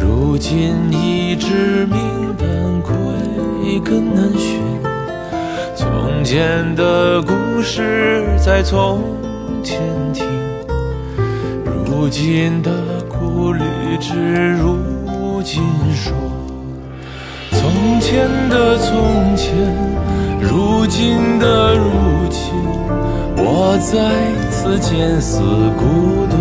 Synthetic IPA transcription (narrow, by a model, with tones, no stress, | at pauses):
ɻu˧˥t͡ɕi˥ni˧˩ʈ͡ʂɻ̩˥˧mi˧˥ŋt̪a˧˩nkʰwe˥˩˧kə˥ŋnə˧˥nɕy˧˩n | t͡sʰʊ̰˧˥ŋt͡ɕʰjɛ˥nd̪ə˨ku˧ʂɻ̩˥˩t͡sa˥˩ɪt͡sʰʊ˧˥ŋ | t͡ɕʰjɛ˥nt̪ʰi˧˥ | ɻu˧˥t͡ɕi˥nd̪ə˨˩ku˥ly˨˩ʈ͡ʂɻ̩˥˧ɻu˧˥t͡ɕi˥nʂwɔ˥ | t͡sʰʊ˧˥ŋt͡ɕʰjɛ˥nd̪ə˨t͡sʰʊ˧ŋt͡ɕʰjɛ˥nɻu˧˥t͡ɕi˥nd̪ə˧ɻu˥˩t͡ɕʰi˥n | wɔ˨˩t͡sa˥˧ɪ | t͡sʰɹ̩˥˧t͡ɕʰjɛ˧˥nsɹ̩˨˩ku˧˥d̪ə˧